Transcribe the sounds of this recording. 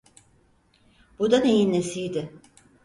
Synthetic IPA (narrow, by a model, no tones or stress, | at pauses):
bud̪anejinlesijd̪ɪ